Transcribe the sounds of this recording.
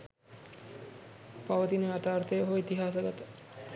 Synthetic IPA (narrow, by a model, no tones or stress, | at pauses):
paʋəd̪ineat̪aːɾt̪ejɦoit̪iɦasɐɡat̪